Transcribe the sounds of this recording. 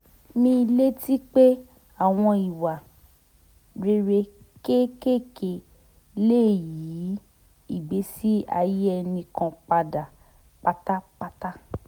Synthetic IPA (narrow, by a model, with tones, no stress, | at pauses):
mĩ˦˧le˦ti˦k͡pe˦ | a˦˨w̃ɔ̃˧i˨wa˨ | ɾe˧˦ɾe˧˦ | ke˦ke˦˨ke˨ | leː˦˨ji˨˦ | i˦˨ɡ͡be˨˦si˦a̰˧je˦ɛ˧nĩ˧kã˧k͡pa˧da˨ | k͡pa˧ta˦k͡pa˧ta˦